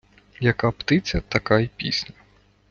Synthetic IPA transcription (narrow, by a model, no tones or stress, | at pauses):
jɐkapt̪ɪt͡sʲɐt̪ɐkaipʲḭsʲnʲɐ